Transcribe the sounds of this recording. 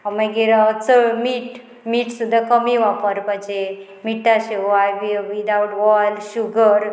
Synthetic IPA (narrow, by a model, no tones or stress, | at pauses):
maɡiɾat͡səmiʈ | miːʈsud̪ʱakəmiʋapəɾpad͡ʒe | miʈaɕeajʋiʋid̪awʈʋɔlʃuɡəɾ